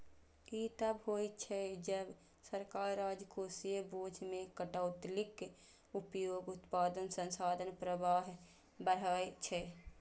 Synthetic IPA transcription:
it̪əbɦojt͡ʃʰɛd͡ʒəb | səɾkaːɾɾaːd͡ʒkoːsijəboːd͡ʒʱmẽkəʈaʊt̪lɪk | upjoːɡʊt̪paːd̪ənsə̃nsaːd̪ənpɾəbaːɦ | bəɾ̤əet͡ʃʰɛ

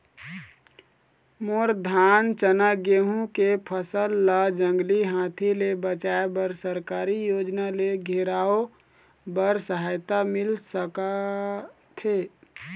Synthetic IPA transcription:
moɾd̪ʱaːnt͡ʃənaɡeɦũkepʰəsəlːad͡ʒə̃ŋɡliɦãːt̪ʰilebət͡ʃaːebəɾsəɾkaːɾijoːd͡ʒnaleɡʱeɾaːo | bəɾsəɦaːjt̪amɪlsəka | t̪ʰe

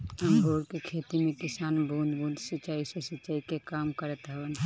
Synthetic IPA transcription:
ɐmbʱoːɾkekʰeːt̪imẽkɪsaːnbʱũːnd̪bʱũːnd̪sit͡ʃaːisesit͡ʃːaːikekaːmkəɾət̪ɦɛʋən

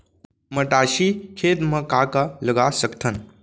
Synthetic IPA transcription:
məʈaːʃikʰeːt̪mə̃kaːkaləɡasəkt̪ʰən

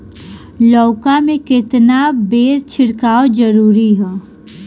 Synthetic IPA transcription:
lɔːkamẽkɪt̪nabeːɾt͡ʃʰɪɽkaːod͡ʒəɾuːɾiɦɛː

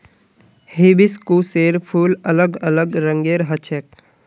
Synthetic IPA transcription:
hibiskuːseːɾpʰuːlələɡələɡɾə̃ŋɡeːɾɦət͡ʃʰek

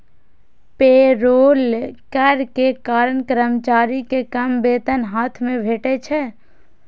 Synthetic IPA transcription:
peːɾoːlkəɾkekaːɾənkɾəmt͡ʃaːɾikekəmbeːt̪ənɦaːt̪ʰmẽbʱeːʈet͡ʃʰɛ

